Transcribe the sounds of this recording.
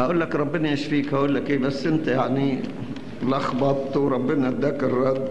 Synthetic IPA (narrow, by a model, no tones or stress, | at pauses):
haʔuːlːakɾˤɑbːɪniʔeʃfiːkhaʔuːlːakʔeːbasːʔɪnt̪ajaʕni | lʔɑxbɑt̪ˤwɾˤɑbːɪnad̪akːɑɾˤːɑd̪